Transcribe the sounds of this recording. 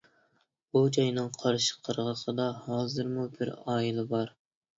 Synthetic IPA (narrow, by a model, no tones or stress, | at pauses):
bud͡ʒɑjnɨŋqʰɑɾʃɪ̥qʰəɾʁəqʰəd̪ɑhɑːzɨɾmubɪɾɑːjilˠɨbɑɾ